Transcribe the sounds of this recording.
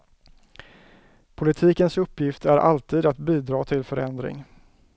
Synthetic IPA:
pʰʊlɪt̪ʰiːkənsɵpːjɪft̪æɾʔa̰lt̪ʰiːd̪at̪biːd̪ɾɑːt̪ʰɪlfœɾɛnd̪ɾɪ̰ŋ

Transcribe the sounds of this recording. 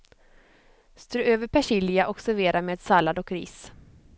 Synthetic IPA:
st̪ɾøːøːvəɾpʰæʂɪlɪaʔɔksæɾveːɾaɾmeːd̪salːad̪ɔkɾḭːs

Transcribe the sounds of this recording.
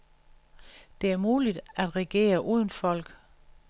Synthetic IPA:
d̥e̝æɐmuːlid̥æd̥ʁɛɡ̥e̝̰ːɐʔuːðˠn̩fɒ̽l̰ɡ̥

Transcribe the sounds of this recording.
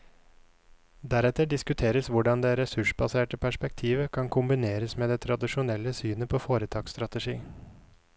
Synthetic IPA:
d̪æɾɛt̪əɖɪskʉt̪ʰeːɾəsʋʊɖɑnd̪eɾɛsʉʂbɑseːʈəpʰæʂpɛk̚t̪ʰiːʋəkʰɑŋkʰʊmbɪneːɾəsmeːd̪ɛːt̪ʰɾɑd̪ɪʃʊnɛlːəsyːnəpʰoːfoːɾət̪ʰɑːkst̪ɾɑt̪əʂiː

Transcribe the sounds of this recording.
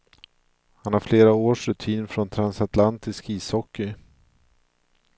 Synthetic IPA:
hanhaɾfleːɾaoːʂɾɵt̪ʰiːnfɾɔnt̪ʰɾansat̪lant̪ɪskiːshɔkːɪ

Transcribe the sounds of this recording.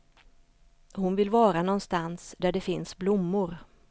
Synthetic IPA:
hʊnvɪlvɑːɾanɔnst̪ansd̪æɖɛfɪnsblʊmːʊɾ

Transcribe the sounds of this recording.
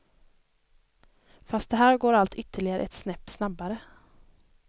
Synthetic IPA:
fast̪̚d̪ɛɦæːɾɡoːɾalt̪ʏt̪ʰːəɭɪɡaɾə̰ɛt̪snɛpːsnabːaɾə

